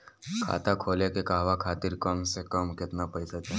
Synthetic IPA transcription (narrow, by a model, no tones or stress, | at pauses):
kʰa̰ːt̪akʰoːlekekaɦʋakʰaːt̪ɪɾkəmsekəmkɪt̪napəɪsat̪a